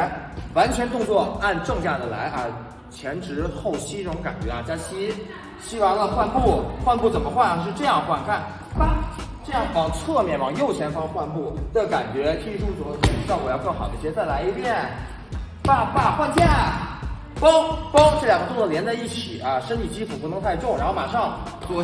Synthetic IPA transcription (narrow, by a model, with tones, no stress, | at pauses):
wa˧˥nt͡ɕʰɥɛ˧˥nt̪ʊ˥˧ŋt͡swɔ˥˩a˥˧nʈ͡ʂɤ˥˧ŋt͡ɕja˥˩d̪ə˩la̰˧˥ɪʔɐ˧˩ | t͡ɕʰjɛ˧˥nʈ͡ʂɻ̩˧˥xo˥˩ʊɕi˥ʈ͡ʂɤ˥˩ʈ͡ʂʊ˧˥ŋka̰˨˩nt͡ɕɥɛ˧˥a˧t͡ɕja˥t͡ɕʰi˥ | ɕi˥wɑ˥ŋlə˧xwa˥˧npu˥˩xwa˥˧npu˥˩t͡sə˨˩nmə˦xwa˥˩n˧˩ʂɻ̩˥˧ʈ͡ʂɤ˥˧jɑ˥˧ŋxwa˥˧nkʰa˥˩n | pa˥˩ʈ͡ʂɤ˥˧jɑ˥˩ŋfɑ˧˥˩ŋt͡sʰɤ˥˧mjɛ˥˩nfɑ˥˨˩ŋjo˥˩ʊt͡ɕʰjɛ˧˥nfɑ˥ŋxwa˥˧npu˥˩t̪ka˨˩nt͡ɕɥɛ˧˥kʰi˥i˧˩ʈ͡ʂu˥˩t͡swɔ˨˥˩d̪kʰo˧˥˩ʈ͡ʂɻ̩˥d̪ɑ˥˩ʊwɔ˨˩˦jɑ˥˧ʊkɤ˥˩ŋxɑ˨˩ʊd̪ə˦˥ɕt͡sa˥˩ɪla˧˥ɪi˧˥pʰjɛ˥˩n | pa˥˩pa˥˩xwa˥˧nt͡ɕja˥˩n | pɑ˥ŋpɑ˥ŋʈ͡ʂɤ˥˩ljɑ˨˩ŋʰ˥˩ljɛ˧˥nt͡sa˥˧ɪi˥˩t͡ɕʰi˨˩˦ʔɐ˧˩ʂə˥nt̪ʰi˨˩t͡ɕi˥fu˨˩pu˥˩nɤ˧˥ŋt̪ʰa˥˧ɪʈ͡ʂo˥˩ɻa˧˥nxo˥˩ma̰˨˩ʂɑ˥˧ŋ | t͡swɔ˧˥˩